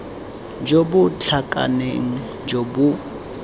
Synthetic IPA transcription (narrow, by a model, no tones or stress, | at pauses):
d͡ʒobʊt͡ɬʰakʼa̰neŋ̩ | d͡ʒobʊ